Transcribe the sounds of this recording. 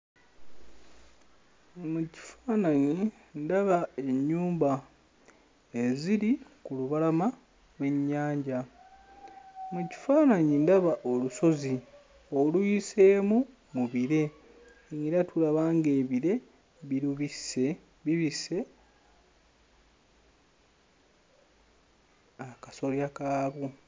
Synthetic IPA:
muci̥faːnaɲi | ndaβae̞ɲːuːmba | eziɾikuluβalama | lwe̞ɲːaːɲɟa | muci̥faːnaɲindaβaʔoluso̞zi | olujise̞ːmu | muβiɾe̞ | ŋiɾatʰulaβaːŋɡe̞ːβiɾe̞ | βiɾuβise | βiβise̞ | akaso̞ljakaːβu

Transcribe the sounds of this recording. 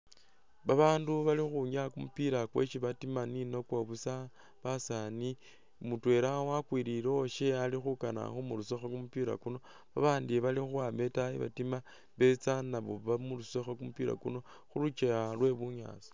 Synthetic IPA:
βaβaːnduβalixuɲakumupiɾakwḛʃiβatimanino̞kwaβusa | βasani | mutwe̞ɾawakwiɾiɾoʃealixukana̰xomulusexakumupiɾa̰kuno̞ | βaβaːndiβalixuame̞taiβa̰tima | βe̞t͡sanaβo̰βamulusexakumupiɾa̰kuno̞ | xulut͡ʃealwe̞βuɲa̰ːt͡so̥

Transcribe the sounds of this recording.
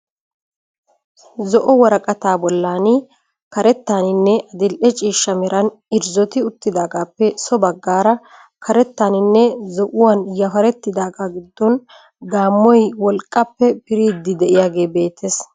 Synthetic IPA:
zɔʔɔwɐɾɐkʼɐt̪aːbɔlːaːnɪ | kɐɾɛt̪ːaːnɪnːɛʔɐd̪ɪlʔɛt͡ʃʼiːʃːɐmɛɾɐn | ɪɾzɔt̪ɪʊt̪ːɪd̪aːɡaːpːɛsɔbɐɡːaːɾɐ | kʰɐɾɛt̪ːaːnɪnːɛzɔʔʊwaːnjɐfɐɾɛt̪ːɪd̪aːɡaːɡɪd̪ːɔn | d̪aːmːɔjwɔlkʼːɐpːɛpɪɾiːd̪ːɪd̪ɛʔɪjaːɡe̞ːbe̞ːt̪ʰːes

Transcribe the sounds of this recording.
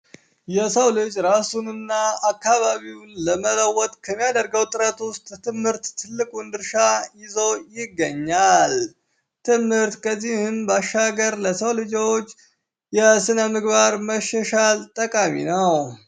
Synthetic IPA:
jɛsəwlɨt͡ʃʼɾasunɨnːaakːaβaβiwunləmələwɔt̪ʼkʰəmːijad̪əɾɡəwt̪ʼɨɾət̪ʊst̪ʼt̪ʰɨmhɨɾt̪ːʰɨlːɨkʼund̪ɨɾʃajɪzojɪɡːəɲːal | t̪ʰɨmhɨɾt̪kʰəzːihɨmbaʃaɡəɾləsəwlɨd͡ʒot͡ʃː | jɛsɨnəmɨɡbaɾməʃːəʃalt̪ʼəkʼamḭnəw

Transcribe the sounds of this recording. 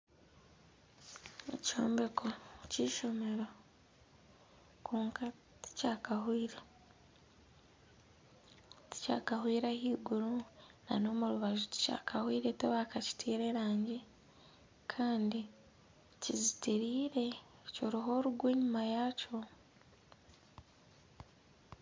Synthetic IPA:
ḛcoːmbekʰo̞ciːʃo̞me̞ɾo̞ | kuːŋka | ti̥cakaɦwiːɾe | ti̥ca̰ːkaɦwiːɾahiːɡuɾuna̰no̞ːmuɾuβaʒoti̥ca̰ːkahwiːɾe̞toβakaci̥tʰiːɾe̞ɾaːɲɟi | kʰaːndi | ciziteɾiːɾe̞coɾiɦo̞ːɾuɡwe̞ːɲumajaːco̞

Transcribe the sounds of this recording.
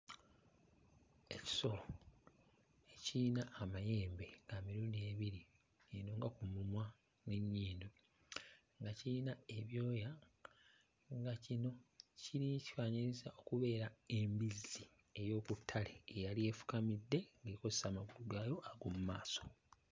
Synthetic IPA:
e̞ci̥so̞lo̞ | eciːnaʔːmaje̞ːmbe̞ŋɡaːmiɾuːndie̞βiɾi | enoːŋɡakumumwa | neɲːiːndo | ŋɡaciinae̞βjo̞ːja | ŋɡacino̞ciɾiciwaɲiɾizaʔo̞kuβe̞ːɾaembizi | e̞jo̞ːkutʰːaleːjalie̞ːfu̥kamidːe̞ŋɡeːko̞zesaːmaɡuluɡaːjo̞ʔaɡomumaːso̞̥

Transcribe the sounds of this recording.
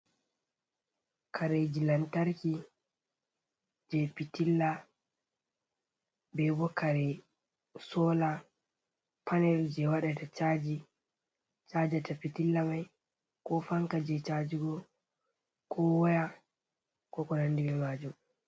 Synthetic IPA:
kʰaɾɛd͡ʒilantaɾki | d͡ʒɛpitilːa | bɛbɔkaɾɛ | sɔla | pʰanɛld͡ʒɛwaɗɛtat͡ʃaːd͡ʒi | t͡ʃaːd͡ʒatapitilːamaj | kɔfaŋkad͡ʒɛt͡ʃad͡ʒiɡɔ | kʰɔwɔja | kɔkɔnandimɛmad͡ʒum

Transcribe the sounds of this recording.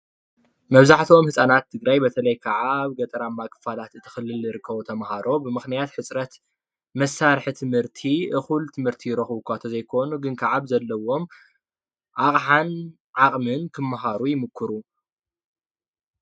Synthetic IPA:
mɐβzaħt̪ʰo̞mhɨsʼanat̪ʰːɨɡɾajbɐt̪ʰɐlɐjkʰaʕaβɡɐt̪ʼɐɾamːakʰʼɨ̥falat̪ɨt̪ʰːɨ̥xɨlːɨlzɨɾɨkʰːɐβut̪ʰɐmhaɾo̞bɨmɨxnijat̪ħɨt͡sʼɾɐt̪ | mɐsːaɾħt̪ʰɨmhɨɾt̪ʰiʔɨxult̪ʰɨmhɨɾt̪ʰijɪɾɐxɨβkʰʷat̪ʰɐzɐjkʰo̞nuɡɨnkʰaʕaβzɐlːɐwo̞m | ʕaχʼħan | ʕaχʼmɨnkʰɨmːaɦaɾujɪmɨkʰːɨɾu

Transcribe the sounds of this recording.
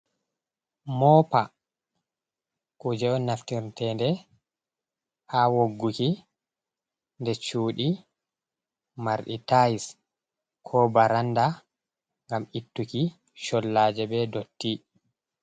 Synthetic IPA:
mɔpa | kud͡ʒɛɔnːaftiɾtɛndɛ | ʔawoɡːuki | ndɛt͡ʃuːɗi | maɾɗitajis | kʰɔbaɾanda | ŋɡamitːuki | ʃɔlːaːd͡ʒɛbɛdotːi

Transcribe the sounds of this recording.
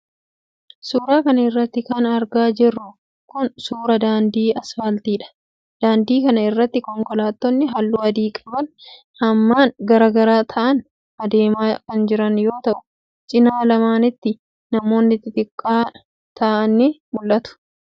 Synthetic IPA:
suːɾaːkɐnɐɪrːɐt̪ːɪkɐnɐɾɡaːd͡ʒɪrːʊ | kʊnsuːɾɐd̪aːnd̪iːɐsfɐlt̪iːᶑɐ̥ | d̪̥aːnd̪iːkɐnɐɪrːɐt̪ːɪkɔŋkɔlaːt̪ːɔnːɪɦɐlːuːɐd̪iːkʼɐbɐn | hɐmːaːnɡɐɾɐɡɐɾaːt̪ʰɐʔɐn | ɐd̪eːmaːkɐnd͡ʒɪɾɐnjo̞ːt̪ɐʔʊ̥ | t͡ʃʼɪnaːlɐmaːnɪt̪ːɪ | nɐmo̞ːnːɪt̪ːɪt̪ʼɪkʼːaː | t̪aːʔɐnːɪmʊlːɐt̪ʊ̥

